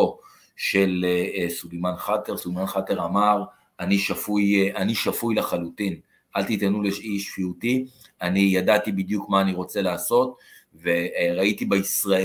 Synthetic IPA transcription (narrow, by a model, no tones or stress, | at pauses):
o | ʃe̞lsulemanχateʁsulmanχateʁamaʁ | aniʃafujaniʃafujlaχalutin | ʔalt̪itanuleʃiʃfiuti | anijadatibid̪jukmaːniʁo̞t͡se̞laːso̞t̚ | veʁaitibeisʁae